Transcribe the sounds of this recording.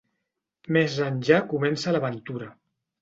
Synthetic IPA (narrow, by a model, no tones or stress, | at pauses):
mezaɲʒakumɛnsələβənt̪uɾə